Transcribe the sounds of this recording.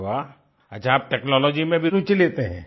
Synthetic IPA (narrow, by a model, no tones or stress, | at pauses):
a | ɐ̰t͡ʃʰãːp̚ʈɛːknɔːlɔːd͡ʒimẽbʱiut͡ʃileːt̪eɦɛ̰̃ː